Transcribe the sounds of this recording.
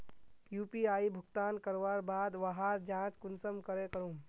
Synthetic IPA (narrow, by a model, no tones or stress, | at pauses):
juːpiaːibʱʊɡt̪aːnkəɾʋaːɾbaːd̪ʋaɦaːɾd͡ʒãːt͡ʃkʊnsəmkəɾekəɾũː